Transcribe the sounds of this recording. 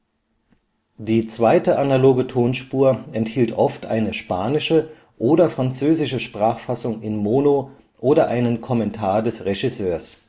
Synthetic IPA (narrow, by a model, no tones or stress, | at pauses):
d̥iːt͡sv̥aɪtəʔanaloːɡətʰoːnʃpuːɐɛnthiːltʔɔftʔa̰ɪnəʃpaːnɪʃə | ʔoːdɐfʁ̥ant͡søːzɪʃəʃpʁ̥aːχfasʊŋɪnmoːno | ʔoːɾɐʔaɪnənkʰɔmɛntʰaːɐdɛsʁeʒisøːɐs